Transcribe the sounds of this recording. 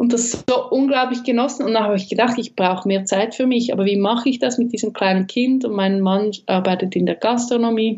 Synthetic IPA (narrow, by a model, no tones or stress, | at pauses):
ʔʊnt̚d̥asoʔʊnɡlaʊplɪçɡ̥ənɔsn̩ʊntd̥anhaːbɪçɡ̥ədaχtɪçb̥ʁaʊxəmeːɐt͡saɪtfyːɐmɪçʔa̰ːbɐviːmɑχəɪçd̥asmɪt̚d̥iːzəmkʰl̥aɪnənkʰɪndʊntmaɪnənmanʔaʁbaɪtətɪndeːɐɡ̥astʁ̥onomiː